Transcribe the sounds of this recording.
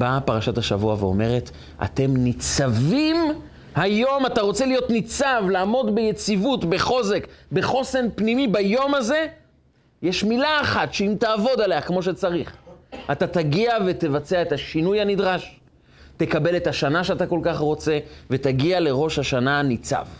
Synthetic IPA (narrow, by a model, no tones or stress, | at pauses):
bapaʁaʃathaʃa̰vuaveo̰me̞ʁe̞t | ʔa̰t̪e̞mnit͡savim | hajo̞mataʁo̞t͡se̞lijo̞tnit͡savlaːmo̞dbejet͡sivutbeχo̞ze̞kbeχo̞se̞npnimibajo̞maze̞ | jeʃmilaːχatʃeimtaːvo̞dale̞akmo̞ʃ̬et͡saʁiχatataɡiave̞t̪e̞vat͡seaetaʃinujhanidʁaʃ | te̞kabe̞le̞taʃanaʃeat̪̬ako̞lkaχʁo̞t͡se̞ve̞taɡiale̞ʁo̞ʃhaʃananit͡sa̰v